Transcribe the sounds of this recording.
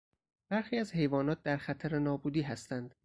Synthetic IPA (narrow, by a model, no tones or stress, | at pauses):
b̥æɾxiːæzhe̞jvɒːnɒːt̪̚d̪æɾxæt̪ʰæɾenɒːbuːd̪iːɦæst̪ænd̪̥